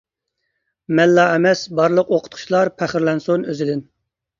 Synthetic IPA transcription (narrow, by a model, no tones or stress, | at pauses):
mɛlːɑɛmɛsbɑɾlˠəqoqʰʊ̥t̪̚qʰʊ̥ʃlˠɑɾpʰæχɪɾlɛnsonøzɪd̪ɪn